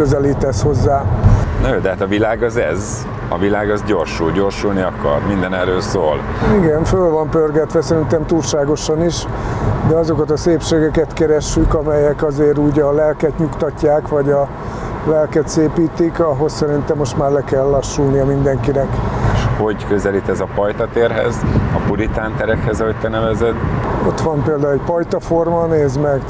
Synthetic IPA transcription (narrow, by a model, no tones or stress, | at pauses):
øzɛliːt̪ɛsho̞zːaːnoːd̪ɛɦaːt̪ɒvilaːɡɒzɛ̰z | ɒ̰vilaːɡɒzɟoːrʃuːlɟo̞ːrʃulniɒkɒ̰rmind̪ɛnɛrːøːlsoːl | iɡɛnfølvɒmpørɡɛt̪ʋɛsɛɾint̪ɛmt̪uːlʃaːɡo̞ʃɒniʃd̪ɛɒzo̞kɒt̪ɒseːpʃeːɡɛkɛt̪kɛɾɛʃːykɒmɛjɛkɒzeːɾuːɟɒlɛlkɛt̪ɲukt̪ɒcːaːkʋɒɟɒ | lɛlkɛt̪seːpiːt̪ikɒɦo̞ssɛɾint̪ɛmːo̞ʃt̪maːrlɛkɛlːɒʃːulnijɒmind̪ɛŋkinɛkeʃho̞ɟkøzɛlit̪ɛzɒpɒjt̪ɒt̪eːrɦɛ̰zɒpuɾit̪aːnt̪ɛɾɛkhɛzɒɦoct̪ɛnɛvɛzɛd̪o̞̰t̪ʋɒmpeːld̪aːulɛcpɒjt̪ɒfo̞rmɒneːzmɛɡ